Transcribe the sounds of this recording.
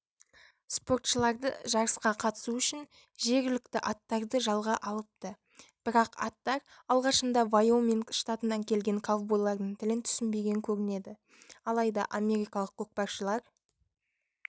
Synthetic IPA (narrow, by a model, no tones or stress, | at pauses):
spo̞rt̪ʃəlˠɑɾd̪ə̰ʒɑɾəsqɑqʰɑt̪ə̥suʏʃɪn | ʒe̞ɾɡʲɪlɪkt̪ɪʔɑt̪ːɑɾd̪əʒɑlˠʁɑʔɑlˠəp̚t̪ə | b̥ɪɾɑqɑ̰t̪ːɑɾ | ɑlˠʁɑʃənd̪ɑvajome̞ŋʃt̪at̪ənːɑŋkʲʰe̞lɡʲe̞ŋkʰavbojlˠːɑɾd̪əɴt̪ʰɪlɪnt̪ʰʏ̥sɪnbe̞ɡʲe̞ŋkʲʰɵɾɪne̞d̪ɪ | ɑlˠɑjd̪ɑ̰ʔame̞ɾijkɑlˠəqːʰok̚pɑɾʃəlˠɑɾ